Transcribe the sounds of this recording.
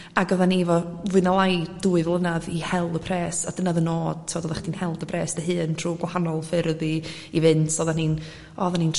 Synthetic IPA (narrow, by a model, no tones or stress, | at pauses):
aɡəðanivɔvwɨnalˠajd̥uːɨðlˠənaðihɛlˠdəpʰrɛːsad̥ənaðənoːd̥tʰɪvɔdɔðaχd̥inhɛlˠdəpʰrɛːsd̥əɦɨːntʰruːɡwahanɔlˠfɪrði | ivɨntʰɔðanin | ɔðaniːn